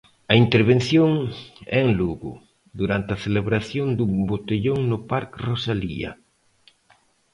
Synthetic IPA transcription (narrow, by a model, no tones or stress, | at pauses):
ɐint̪eɾβenθjoŋɛeŋluɣʊ̰ | ðuɾant̪ɪɐθeleβɾaθjond̪ubot̪eʎoŋnʊpaɾkrosalḭɐ̰